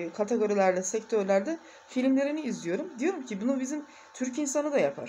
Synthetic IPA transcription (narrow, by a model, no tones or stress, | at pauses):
kʰat̪ʰeɡo̞ɾilʲæɾd̪ʲɛsɛct̪ʰø̞ɾlʲæɾd̪ɛ | filʲmlʲe̞ɾiniːzlʲijo̞ɾumd̪ijo̞ɾumcʰibunubizim | t̪ʰyɾcinsanɯd̪ajapʰa̰ɾ̥